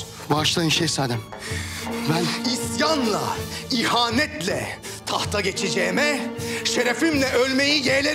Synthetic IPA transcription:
baʃlˠaiʃejsaːd̪ɛm | isjanlˠa̰ihaːnɛt̪lʲɛ̰ | t̪ʰaht̪ʰaɟet͡ʃʰed͡ʒɛːmɛʃeɾefimlʲɛʔølʲmejijelʲe

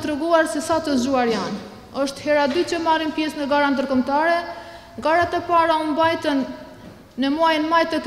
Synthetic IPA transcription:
t̪ɾɛɡuaɾsɛsat̪əzuaɾjan | ɔʃt̪hɛɾad̪yt͡ɕəmarimpjɛsnəɡaɾand̪əɾkɔmt̪aɾɛ | ɡaɾat̪ɛpaɾaumbajt̪ənː | əmuajnmajt̪ɛk

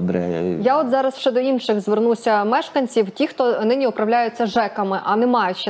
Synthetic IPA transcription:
bɾɛ̰jaɔt̪zɑɾɐswʃɛd̪ɔinʃɪɣzʋernusʲɐmɛʃkɐnʲt͡sʲiwtʲixt̪ɔnɪnʲiʊpɾɐwlʲajʊt͡sʲːɐʒɛkɐmɪʔɐnɛmɑjʊt͡ʃː

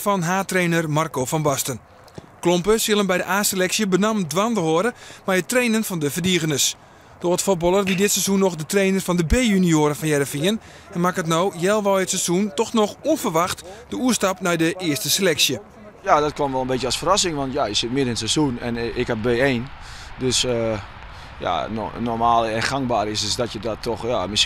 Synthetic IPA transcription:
fɔnɦaːtreːnərmarkofɔnbɔstən | klompəsjɪlˠəmbɛjdəʔaːselɛksjəbənamdʋantəhoəɾəmɛjətreːnənfɔndəfərdiəɣənəs | d̥oətfot̚bɔlˠərʋidɪtsezunːɔxdətreːnərfɔndəbeːjynioːɾəfɔnjɛɾəfiən | ɛnmakət̬noːjɛlˠʋɔətsɛzuntɔxnɔxuənfərʋaxtd̥əuəstapnɛjdəʔɪəstəselɛksjə | jadɔt̚komʋɛlˠənbetjəɔsfərasɪŋʋɔntjajəsɪt̚mɪəɾɪnəsɛzunɛnɪkhap̚beeːn | døsə | ja̰nɔmaːlˠɛxaŋbaːɾɪssdɔtjədɔtʰːɔxjamɪs

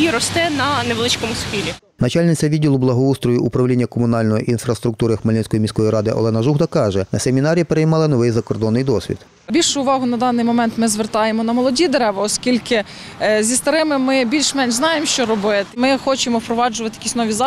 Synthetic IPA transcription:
iɾɔst̪ɛnɐneʋlˠɪt͡ʃkɔmʊsxʲilʲi | nɐt͡ʃɑlʲnɪt͡sʲɐʋʲidʲːilˠʊblˠɐɦɔust̪ɾɔjuʔupɾɐwlʲinʲːɐkɔmʊnɑlʲnɔjɔʔinfɾɐst̪ɾʊk̚t̪uɾɪxmɐlʲinʲsʲkɔjimʲisʲkɔjiɾɑd̪ɪʔɔ̰lˠɛnɐʒuɦd̪ɐkɑʒɛnɐsemʲinɑɾʲipeɾejmɑlˠɐnɔʋɪjzɐkɔrd̪ɔnːɪjd̪ɔsʲʋʲḭd̪̥ | bʲilʲʃʊʊʋɑɦʊnɐd̪ɑnːɪjmɔmɛnt̪mɪzʋert̪ɑjemɔnɐmɔlˠɔdʲid̪eɾɛʋɐɔskʲilʲkɪ | zʲist̪ɐɾɪmɪmɪbʲilʲʃmɛnʒznɑjemʃt͡ʃɔɾɔbɪmɪxɔt͡ʃemɔpɾɔʋɑd͡ʒʊʋɐt̪ɪjɐkʲisʲnɔʋʲizɑ

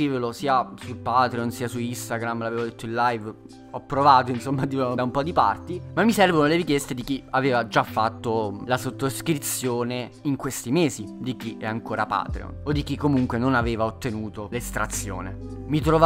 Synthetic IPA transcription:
iːvelosiːasulpaːt̪ɾeonsiːasuist̪aɡɾamlaveːvod̪et̪ːoilːajv | ɔpːɾovaːt̪oinsomːad̪iod̪aumpɔd̪ipa̰rt̪imamːisɛrvonoleɾikjɛst̪ed̪ik̟iaveːvad͡ʒafːat̪ːolasot̪ːoskɾit̪sːjoːne | iŋkwest̪imeːzid̪ik̟iɛaŋkoːɾapa̰ːt̪ɾḛo̰nod̪ːik̟ikːomuŋkwenonaveːvaot̪ːenuːt̪olest̪ɾa̰t̪sːjo̰ːnemit̪ɾov

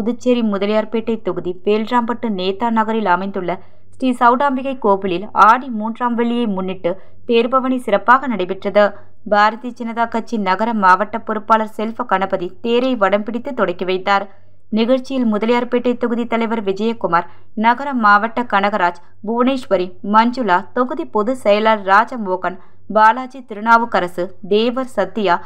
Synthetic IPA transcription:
pʊðɯt͡ʃːeɾimʊðɐlɐjaːɾpeːʈːɐɪt̪ːɔɣɯðiʋeːldraːmpɐʈːɯneːt̪ːaːnɐɣɐɾɪlɐmɐɪnd̪ɯɭːɐ | sʈisɐʋʊɽaːmbɪɣɐɪkoːbɪlɪlaːɽimuːndraːmʋɛɭːɪjɐɪmʊnːɪʈːɯ | t̪eːɾbɐʋɐɳisɪɾɐpːaːɣɐnɐɽɐɪpɪʈrɐðɯ | bʱaːɾɐðit͡ʃɪnɐðaːkɐt͡ʃːinɐɣɐɾɐmːaːʋɐʈːɐpːɔɾɯpːaːlɐɾsɛlfɐkɐɳɐbɐðit̪eːɾɐɪʋɐɽɐmpɪɽɪt̪ːɯt̪ːɔɽɐɪkːiʋɐɪt̪ːaːɾ | nɪɣɐɻt͡ʃɪjɪlmʊðɐlɐjaːɾpeːʈrɐɪt̪ːɔɣɯðit̪ːɐlɐɪʋɐɾʋɪd͡ʒɐjɐkːʊmaːɾ | nɐɣɐɾɐmːaːʋɐʈːɐkɐɳɐɣɐɾaːd͡ʒ | bʱʊʋneːʂʋɐɾimɐɲd͡ʒɯlaːt̪ɔɣɯðipɔðɯsɛjɐlaːlɾaːd͡ʒɐmoːɣɐn | baːlaːd͡ʒit̪ɪɾɯnaːʋɯkɐɾɐsɯd̪eːʋɐɾsɐt̪ːɪjaː

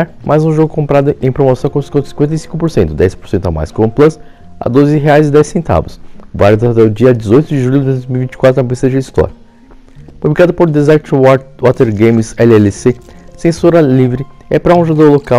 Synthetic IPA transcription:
ɾmʔajzũʒoɡʊkõmpɾad̪ʊʔẽj̃pɾomosɐ̃w̃kõsĩkẽsĩkwẽnt̪ejsĩŋkʊpoɾsẽnt̪ʊd̪ɛjspo̥ɾsẽnt̪a̰ma̰jskõũplɐs | a̰d̪ozɪɦeajzɪd̪ɛsẽnt̪a̰vʊsvaɾʊzat̪ɛʊd͡ʒiɐd͡ʒɪzojt̪ʊd͡ʒɪʒuljʊdd͡ʒ̪ɪd̪ojzmiuwivĩt͡ʃɪ̥kwat̪ɾɐpbesid̪ɐd͡ʒɪist̪ɔ̰ɾɐ | publikad̪ʊpoɾd̪ezɛɾt͡ʃwɔt̪eɾɡẽj̃mɪsɛlɪɛlɪse | sẽsoɾɐlivɾɪɛpɾɐũʒod̪oɾlokaw

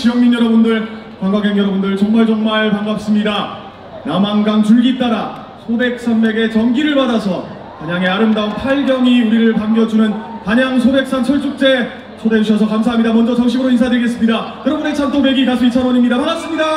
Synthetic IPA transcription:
t͡ɕijʌŋminjʌɾʌbundɯɭ | kaŋɡaɡʌŋjʌɾʌbundɯɭt͡ɕʌŋmaɭt͡ɕʌŋmaɭpaŋɡap̚s͈ɯmɲida | jamaŋɡaŋt͡ɕuɭɡit͈aɾa | sʰobe̞k̚s͈ʰanbe̞ɡe̞t͡ɕʌŋɡiɾɯɭpadasʰʌ | paɲaŋe̞aɾɯmdaonpʰaɭɡjʌŋiuɾiɾɯɭpaŋɡjʌd͡ʑunɯnpaɲaŋsʰobe̞k̚s͈ant͡ɕʰʌɭs͈uk̚t͡ɕ͈e̞ | sʰoded͡ʑuɕ̬ʰʌsʰʌkamsʰaɦamɲidamʌnd͡ʑʌt͡ɕʌŋɕʰiɡɯɾoinsʰadɯɭɡe̞s͈ɯmɲidajʌɾʌbune̞kt͡ɕʰant͈ome̞ɡikasʰoit͡ɕʰanʌnimɲidapaŋap̚s͈ɯmɲida

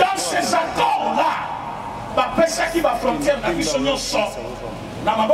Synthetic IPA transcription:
ɔ̃sezakɔla | bapesakibafʁɔ̃ntjɛʁnabisoɲɔ̃sɔ | namab

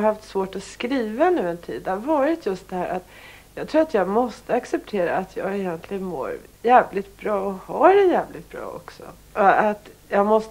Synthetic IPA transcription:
haft̪svoːʈɔskɾiːvanʉ̟ːɛnt̪ʰḭːd̪ːɛhavɑːɾɪt̪ʰjɵst̪̚d̪ɛhæːɾʔat̪ | jɑːɡt̪ʰɾuːɾat̪jɑːɡmɔst̪əaksɛp̚t̪ʰeːɾa̰ːt̪ʰjɑ̰ːɡɛjɛnt̪ʰlɪɡənmo̰ːɾ | jæːvlɪt̪̚b̥ɾɑːɔhaɾɛjæːvlɪt̪̚b̥ɾɑ̰ːɔ̰ksɔ̰ | ʔɔat̪jɑːɡmɔst̪

